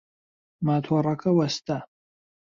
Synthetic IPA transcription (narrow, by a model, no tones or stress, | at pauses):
matʰwarakʰawastʰa